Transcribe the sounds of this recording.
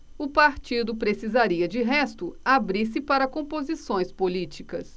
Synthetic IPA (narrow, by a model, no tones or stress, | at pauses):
ʊpaɾt͡ʃid̪ʊpɾesizaɾiɐd͡ʒɪɦɛst̪ʊabɾiɾsɪpaɾɐkõpozisõj̃spolit͡ʃikɐ̰s